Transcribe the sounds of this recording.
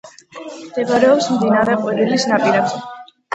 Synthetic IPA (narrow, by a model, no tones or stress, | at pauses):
md̪̥ɛbaɾɛɔpsmd̪inaɾɛqʼwiɾilisnapʼiɾɛb